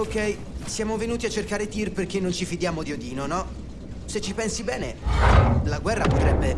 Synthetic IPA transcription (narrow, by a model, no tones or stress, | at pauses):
okɛj | sjaːmovenuːt̪iat͡ʃːerkaːɾet̪irperk̟enːont͡ʃifid̪jaːmod̪iod̪iːnonɔ | set͡ʃːipɛnsibɛːne | laɡwɛrːapot̪ɾɛbːe